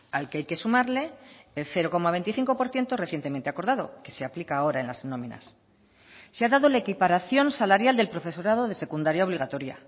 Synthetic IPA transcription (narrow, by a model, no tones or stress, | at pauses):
alkeajke̞sumaɾle̞elθe̞ɾo̞ko̞maβe̞jnt̪iθiŋko̞po̞ɾθje̞nt̪ore̞θje̞nt̪e̞ment̪eako̞ɾðað̞o̞̰ke̞seaplikaːo̞ɾae̞nlaznõ̞mĩna̰s | seaðaðolaekipaɾaθjo̞nsalaɾjald̪elpɾo̞fe̞so̞ɾað̞o̞ðe̞se̞kund̪aɾjaoβliɣ̞at̪o̞ɾja̰